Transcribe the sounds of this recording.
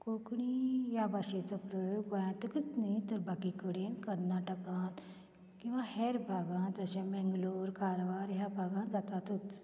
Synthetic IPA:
kokɽ̃ijabaːʃet͡səpɾojoːkojãt̪ɨkɨt͡snɐĩt̪əɾbakikəɽẽːnkɐɾnaːʈəkãːt̪ | kĩw̃ʋãheɾbʱaːɡãːt̪ɐsẽmɛ̃ŋɡloːɾkaːɾʋaːɾjabʱaɡãd͡zat̪at̪ɨt͡s

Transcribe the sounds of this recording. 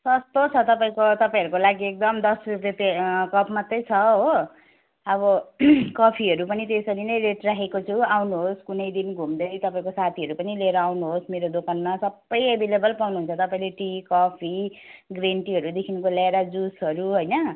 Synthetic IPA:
sʌst̪ot͡sʰʌt̪ʌpaĩkot̪ʌpãĩɦʌɾukolaɡiek̚d̪ʌmd̪ʌsruret̪ekʌpʰmʌt̪rʌjt͡sʰʌɦo | ʌβʌkʌpʰiɦʌɾupʌnit̪esʌɾinʌjɾeʈrakʰekot͡sʰuawnuɦoskunʌjd̪inɡʱumd̪ʌjt̪ʌpaĩkosat̪ʰiɦʌɾupʌnileɾʌawnuɦosmeɾod̪okanmasʌbːʌjebʱelebʌlpawnuɦunt͡sʰʌt̪ʌpaĩleʈikʌpʰiɡreɳʈiɦʌɾud̪ekʰinkolaeɾad͡zusɦʌɾuɦojnʌ

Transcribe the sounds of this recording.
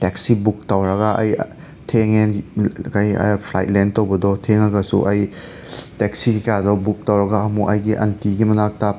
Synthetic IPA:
teksibuk̚tɐwɾɐɡaʔɐ̰j | tʰeŋenkajɐ̰pʰlajt̚lentɐwbɐdɔtʰeŋɐɡɐsṵʔɐj | teksikikadɔbuk̚tɐwɾɐɡaːmukɐjɡiʔɐ̰ntiɡimɐnak̚tɐ

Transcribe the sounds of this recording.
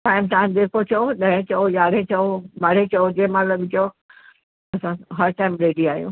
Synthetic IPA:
ʈaːɪmt̪ãːd̪eːkʰot͡ɕʰɐoɗɐ̃ɦẽt͡ɕɐojaːɽẽt͡ɕɐobaːɽẽt͡ɕɐod͡ʑemãlɐɠɪt͡ɕo | ɐsãɦɐɾʈaːɪmɾeːɖiaːijṵ̃ː

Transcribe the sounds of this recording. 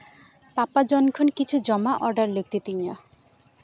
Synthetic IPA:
papad͡ʒɔnkʰɔnkit͡ʃʰud͡ʒɔmaʔɔɾɖaɾlek̚t̪it̪iɲɔ

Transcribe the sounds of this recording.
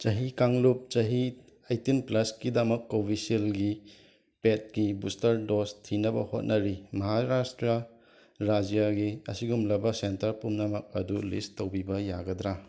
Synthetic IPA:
t͡ʃɐɦikaŋlup̚t͡ʃɐɦi | ajtinplɐskidɐmɐkːobiselɡi | pet̚ɡibustɐɾdostʰinɐbɐho̰t̚nʔɐɾimɐɦaɾastɾɐ | ɾad͡ʒijaɡiɐ̰siɡumlɐbɐsentɐɾpumnɐmɐk̚ɐdulistowbibɐjaɡɐd̪ɾa

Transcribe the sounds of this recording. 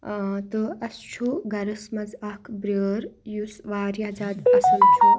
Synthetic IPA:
t̪ɨɐst͡ʃʰuɡɐɾɐsmɐzɐkʰbɾəːɾjusʋaːɾjaːzaːd̪ɐsɐnt͡ʃʰu

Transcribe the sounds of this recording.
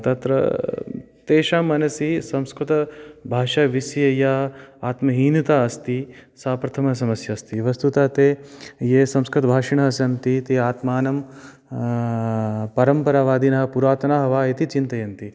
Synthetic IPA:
t̪ɐt̪ɾɐ̰ | t̪eːʃamɐnɐsisɐmskɾut̪ɐbʱaːʃaːʋisjɐjaaːt̪mɐɦiːnit̪aːɐst̪isaːpɾɐt̪ʰɐmɐɦɐs̬ɐmɐsjɐst̪iʋɐst̪ut̪aːt̪eːjeːsɐ̃mskɾut̪ɐbʱaːʂiɳɐɦɐsɐnt̪it̪iaːt̪maːnɐm | pɐɾɐmpɐɾaːʋaːd̪inɐɦɐ̆puɾaːt̪ɐnaːɦɐʋaːit̪it͡ʃint̪ɐjɐnt̪i

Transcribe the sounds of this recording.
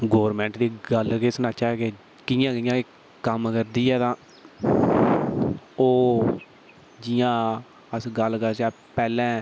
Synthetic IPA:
ɡoːɾmɛ̃ːɳʈd̪iːɡəlkeːsnaːt͡ʃaːkeː | kɪjãːkɪjãːe | kəmkəɾd̪iːɛːt̪ãː | oː | d͡ʒɪjãː | əsɡəlkəɾsaː | pɛːlɛ̃ː

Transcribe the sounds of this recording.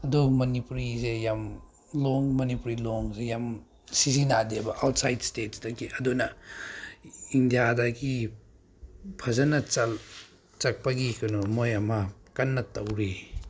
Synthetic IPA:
ɐdumɐnipuɾizejam | lɔŋmɐnipuɾilɔŋsejam | sizinadebɐʔawt̚sajdstetsdɐɡiʔɐdunɐ | indijadɐɡi | pʰɐzanɐt͡sɐl | t͡ʃɐk̚pɐɡikɐnomojɐmɐkɐnːɐtɐwɾi

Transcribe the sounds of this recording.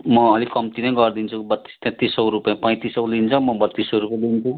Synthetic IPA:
mʌːlikʌmt̪inʌjɡʌrd̪int͡sʰubʌt̪ːi̥st̪ɛ̃t̪isʌwɾupãpʌ̃jt̪isʌwlint͡sʰʌmʌbʌt̪ːisʌwɾupj̃d̪int͡sʰu

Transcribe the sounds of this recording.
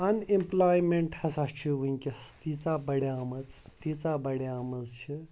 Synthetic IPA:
ɐnimplajmeɳʈhɐsast͡ʃʰiʋɨŋʲkʲest̪it͡sabɐɽjamɐt͡st̪it͡sabɐɽjamɐzt͡ʃʰi

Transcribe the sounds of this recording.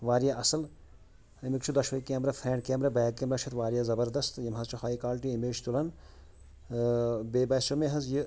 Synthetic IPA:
ʋaːɾijaʔɐsɐl | imikt͡ʃʰud̪ɐʃʋɐikeːmɾafʰeːɳɖkeːmɾɐbejkeːmɾɐːt͡ʃʰɐt̪ʋaːɾijazɐbɐɾd̪ɐst̪jimɦɐzt͡ʃʰuhaːikaːlʈiimeːd͡ʒt̪ulɐn | beːbɐːsomeɦɐzji

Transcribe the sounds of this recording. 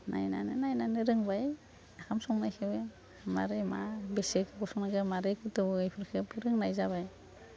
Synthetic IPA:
nʔa̰jna̰nɯnajnanɯɾɯŋbaj | akʰamsɔŋnajkʰɯbe | ma̰ɾemabesekʰɯkɔsɔŋnaɡɯmaɾekʰɯtɯbɯɯjpʰɯɾkʰɯpɯɾɯŋnajzaβaj

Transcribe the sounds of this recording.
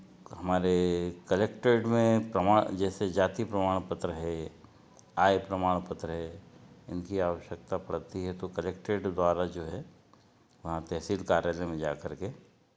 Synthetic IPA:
ɦɐmaːɾekɐleːk̚ʈeːɖmẽpɾɐmaːd͡ʒɛːsed͡ʒaːt̪ipɾɐmaːɽ̃pət̪ɾəɦɛ | aːjpɾɐmaːɽ̃pət̪ɾəɦɛɪnkiaːʋəʃjək̚t̪apɐɽt̪iɦɛt̪okɐleːkʈeːɖd̪waːɾad͡ʒoːɦɛ | ʋɐɦãt̪ɛɦsiːlkaːɾjaːlemẽd͡ʒa̰ːkɐɾke

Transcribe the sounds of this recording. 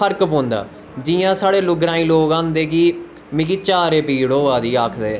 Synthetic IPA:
əɾkbõːnd̪a̰ː | d͡ʒiːjãːsaːɽeːlʊɡɾãːĩːloːkãːnd̪eːkiː | mɪ̃kiːt͡ʃaːɾeːpiːɽoːaːd̪iːaːkʰd̪eː

